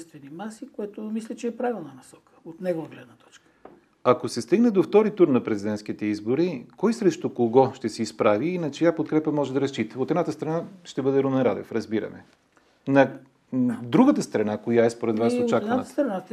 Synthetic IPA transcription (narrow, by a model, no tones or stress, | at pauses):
st̪vɛnimasikoɛt̪omislʲɛt͡ʃɛːpɾavilˠnənɐsɔ̥kə̥ot̪nɛɡovəɡlɛd̪nət̪ɔ̥t͡ʃkə̥ | ɐkosɛst̪iɡnɛd̪oft̪ɔɾit̪uɾnɐpɾɛzid̪ɛnt̪skit̪ɛizboɾikɔjsɾɛʃt̪okoɡɔʃt̪ɛsɛispɾaviːnɐt͡ʃɛjapot̪kɾɛpəmɔʒɛd̪ɐɾɐst͡ʃit̪əot̪ɛd̪nat̪əst̪ɾɐnaʃt̪ɛbɤd̪ɛɾomɛnɾad̪ɛ̰fɾɐzbiɾɐ̰mɛ | nɐ | d̪ɾuɡət̪əst̪ɾɐnakojaɛspoɾɛd̪vasot͡ʃakd̪aəst̪ɾɐna